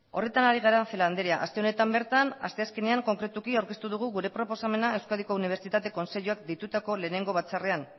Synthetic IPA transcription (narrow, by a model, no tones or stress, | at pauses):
o̞re̞t̪anaɾiɣaɾafeland̪eɾiaʔast̪e̞o̞ne̞t̪ambe̞ɾt̪ana̰st̪e̞aske̞ne̞aŋko̞ŋkɾe̞t̪ukiawɾke̞st̪uðuɣ̞uɣuɾe̞pɾo̞po̞same̞nae̞wskaðiko̞uniβ̞e̞ɾt͡sit̪at̪e̞ko̞nse̞ʎuak̚d̪it̪ut̪ako̞le̞ːne̞ŋɡo̞β̞at͡sarean